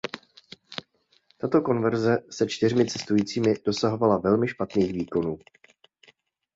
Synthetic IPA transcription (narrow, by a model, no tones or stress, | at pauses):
t̪at̪o̞ko̞nvɛɾzɛsɛt͡ʃt̪ɪr̝mɪt͡sɛst̪ujiːt͡siːmɪd̥o̞saɦo̞valavɛlmɪʃpat̪niːxviːko̞nuː